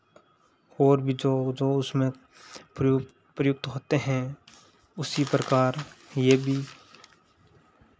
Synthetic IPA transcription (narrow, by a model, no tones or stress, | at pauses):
oːɾbʱid͡ʒoːd͡ʒoːʊsmẽ | pɾəjʊk̚t̪ɦoːt̪eɦɛ̃ | ʊsipɾəkaːɾjeːbʱiː